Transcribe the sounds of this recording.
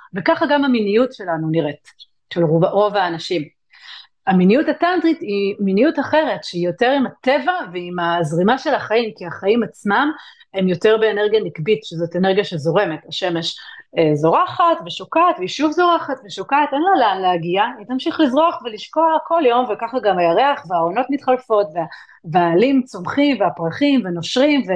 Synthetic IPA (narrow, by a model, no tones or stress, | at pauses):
vekaχaɡamaminijutʃe̞lanuniʁet | ʃelʁovo̞vaːnaʃim | aminijutatandʁitiminijutaχe̞ʁe̞tʃeijo̞teʁimate̞vaveimazʁimaʃe̞laχaimkiaχaimat͡smam | e̞mjo̞te̞ʁbe̞ːneʁɡijanikbitʃezoteneʁɡjaʃezo̞ʁe̞me̞taʃe̞me̞ʃezo̞ʁaχatveʃokatveiʃuvzo̞ʁaχatveʃokatenlaleanleaɡiaitamʃiχlizʁoaχveliʃko̞ako̞ljo̞mvekaχaɡamajaʁeaχveaono̞tmitχalfo̞tvea | veaːlimt͡so̞mχimveapʁaχimveno̞ʃʁimve